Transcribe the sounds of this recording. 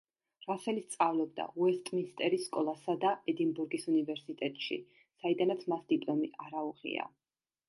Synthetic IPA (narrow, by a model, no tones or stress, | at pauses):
ɾasɛlist̪sʼavlɔb̚d̪a̰uɛst̪ʼminst̪ʼɛɾisːkʼɔlˠasad̪aɛd̪inbuɾɡisunivɛɾsit̪ʼɛt̪ʼʃḭ | said̪anat̪sʰmasd̪ipʼlˠɔmḭʔaɾauʁḭa̰